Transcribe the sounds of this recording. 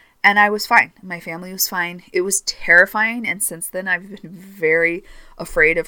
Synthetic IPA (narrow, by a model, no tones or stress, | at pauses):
ʔɨ̃naɪwʌz̥fãɪ̃nmaɪfæ̃mliwʌz̥fãɪ̃nɨt̚wʌz̥tʰɛɹɨfaɪɪ̃ŋɨ̃nsɪ̃nsðɨ̃naɪvbɨ̃nvɛɹiʔəfɹeɪɾʌv̥